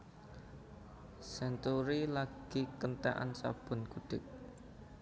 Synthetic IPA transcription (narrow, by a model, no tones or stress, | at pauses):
sɛnt̪uɾilaɡ̥ikənt̪aʔa̰nsa̰b̥ʊ̤nɡ̥uɖ̪̥ɪk̚